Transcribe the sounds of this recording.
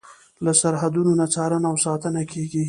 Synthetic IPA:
lasaɾɦad̪unonat͡sɑɾənawsɑt̪ənakʰeɡi

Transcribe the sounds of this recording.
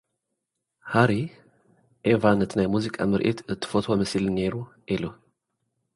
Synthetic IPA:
haɾi | ʔevanɨt̪ʰinajmuzikʼa̰mɨɾʔḭt̪ɨt̪ʰːɨ̥fot̪womɐsilne̞ɾu | ʔilu

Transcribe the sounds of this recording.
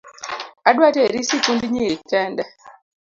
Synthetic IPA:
adwatɛɾisikundiɲiitɛndɛ

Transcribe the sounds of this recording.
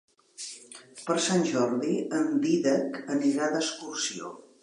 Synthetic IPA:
pəɾsanʲʒɔɾðiəmbiðəkəniɾaðəskursio̰

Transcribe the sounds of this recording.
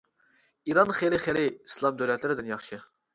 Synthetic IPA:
iɾɑnχelɪχelɪislˠɑmd̪øwlɛt̪lɪɾɪd̪ɪnjɑχʃɨ

